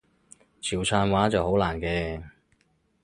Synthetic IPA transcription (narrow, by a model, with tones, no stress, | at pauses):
t͡sʰiː˨˩wt͡sʰœː˧nwaː˨˥t͡sɐ˨who˨˥wlaː˨˩nkɛː˧